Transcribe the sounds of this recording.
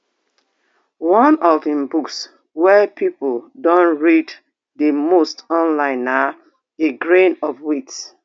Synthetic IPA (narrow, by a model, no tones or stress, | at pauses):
wɔ̃nɔvĩmbuks | wɛpʰipldɔ̃nɹid | demostɔ̃nlãɪ̃na | eɡɹẽnɔfwits